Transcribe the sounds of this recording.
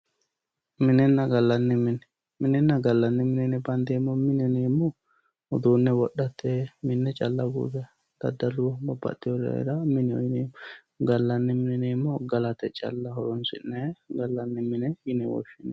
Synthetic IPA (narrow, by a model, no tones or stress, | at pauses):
mɪnɛnːɐɡɐlːɐnːɛmɪnɛ | mɪnɛnːɐɡɐlːɐnːɛmɪnɛnɛbɐnd̪eːmːɔmɪnɛneːmːɔ | ʊd̪unːɛwɔɗɐt̪ʰːɛmɪnːɛt͡ʃʼɐlːɐɡṵːdɛ | d̪̥ɐ̰d̪ːɐlʊwbɐbɐ̰t̪ːɪɔɾɛ̰ɾɐmɪnɛɔ̰ɪneːmɔ | ɡɐlːɐnːɛmɪnɛneːmːɔɡɐlɐt̪ɛt͡ʃʼɐ̰lːɐɦɔɾɔnsɪ̰nːɛɡɐlːɐnːɛmɪnɛjɪnɛwɔ̰ʃɪnɛ